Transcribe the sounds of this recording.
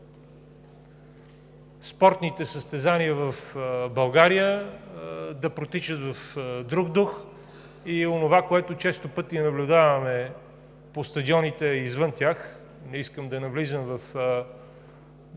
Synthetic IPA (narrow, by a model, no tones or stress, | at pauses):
spɔɾt̪nit̪ɛsəst̪ɛzaniəvɐfbɐlˠɡaɾijə | d̪ɐpɾot̪it͡ʃət̪vɐfd̪ɾuɡd̪ux | ionovakoɛt̪ʊt͡ʃɛst̪opɤt̪iɛnɐblʲʊd̪avɐmɛ | post̪ɐd̪iɔnit̪ɛizvɤnt̪ʲjax | nɛiskəmd̪ɐnɐvlizəmvɐf